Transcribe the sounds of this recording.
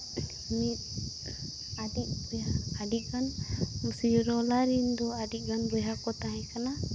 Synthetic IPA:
mit̪̚ | aɖiʔ̚baaɖiʔ̚ɡanmusijuɾɔlaɾind̪ɔaɖiʔ̚ˀɡanbɔjɦakɔt̪aɦɛ̃kana

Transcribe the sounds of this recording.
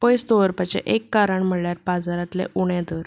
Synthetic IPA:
pəjst̪oʋəɾpat͡ɕḛ̃ʔekːaɾəɳm̤əɽɭjaɾpad͡zaɾat̪lḛʔuɽjãd̪əɾ

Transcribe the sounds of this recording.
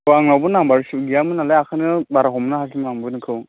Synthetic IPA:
aŋlabɯnaŋbaɾsuɡijamɯnalajakʰanɯbaɾaɦɔmnaɦasʰimnaŋbɯnɯkʰɯw

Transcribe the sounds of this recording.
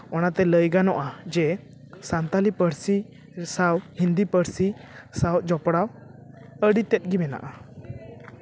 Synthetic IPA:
ɔnat̪ɛləjɡanɔʔad͡ʒɛ | sant̪alipəɾsi | sawhind̪ipəɽsisawd͡ʒɔpɽaw | əɽit̪ɛt̪̚ɡibɛna̰ʔa

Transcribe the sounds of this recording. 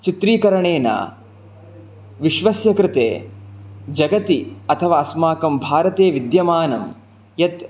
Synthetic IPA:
t͡ʃit̪ɾiːkɐɾɐɳeːna̰ː | ʋiʃʋɐsjɐkɾɪt̪ḛː | d͡ʒɐɡɐt̪iɐt̪ʰɐʋaːɐsmaːkɐmbʱaːɾɐt̪eːʋid̪jɐmaːnɐm | jɐt̪

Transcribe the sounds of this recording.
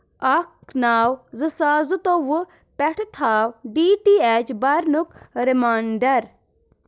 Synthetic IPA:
ɐk̚naːwzɨsaːzut̪oʋu | pɛʈʰt̪ʰaːwɖiːʈiːeːt͡ʃbɐɾnukɾemaːɳɖɐɾ

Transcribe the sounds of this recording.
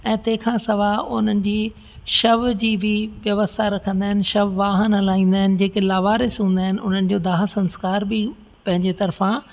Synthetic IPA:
ɛ̃ːt̪ɐ̃ɦɪ̃kʰãːsɐʋaʊn̤ənɪ̆d͡ʑiː | ʃɐʋd͡ʑiːbʱɪʋjɐʋəst̪ʰaɾɐkʰə̃nd̪aːɪnɪ̆ʃɐʋʋaːɦənɐlaːĩːn̆d̪aːɦɪnɪ̆d͡ʑeːkelaːʋaːɾesũːnd̪aːɦɪnɪ̆ʔʊn̤ənɪ̆d͡ʑoːd̪aːɦəsɐ̃nskaːɾbʱɪ | pɐ̃ɦɪ̃ɲd͡ʑet̪ɐɾfã

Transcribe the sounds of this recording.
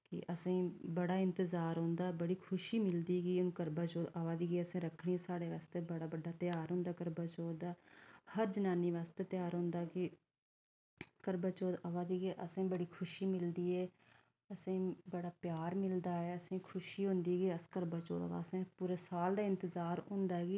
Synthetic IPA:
kɪ̰ʔəsẽːbəɽaːɪ̃nt̪əzaːɾɦõːnd̪aːbəɽiːkʰʊʃiːmɪld̪iːɡiːʊnũːkəɾbaːt͡ʃoːd̪əʋaːd̪iːɡeːəsẽːɾəkʰːɳiːɛ̃ːsaːɽeːʋaːst̪eːbəɽaːbəɖaːt̪ɪjaːɾɦʊ̃ːnd̪aːkəɾbaːt͡ʃoːd̪aːhəɾd͡ʒənaːniːʋaːst̪eːt̪jaːɾɦʊ̃ːnd̪aːkɪ | kəɾbaːt͡ʃoːd̪əʋaːd̪iːɡeːʔəsẽːbəɽiːkʰʊʃiːmɪld̪iːɛː | əsẽːbəɽaːpjaːɾmɪld̪aːɛːəsẽːkʰʊʃiːɦʊ̃ːnd̪iːɡiːəskəɾbaːt͡ʃo̰ːd̪a̰ʋa̰ːsẽːpuːɾeːsaːld̪aːɪnt̪əzaːɾɦʊ̃nd̪aːɡiː

